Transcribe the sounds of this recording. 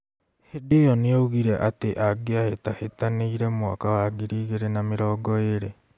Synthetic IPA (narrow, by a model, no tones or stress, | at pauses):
hedejɔneouɣiɾɛʔateʔaɡeahetahetaneiɾɛmwa̰kawaɡiɾiːɣeɾenameɾɔːɡɔeɾe